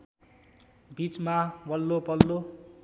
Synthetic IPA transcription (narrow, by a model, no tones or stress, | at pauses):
bit͡smawʌlːopʌlːo